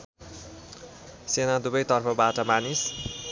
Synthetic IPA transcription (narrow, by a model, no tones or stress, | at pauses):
senad̪ubʌjt̪ʌrpʰʌbaʈʌmanis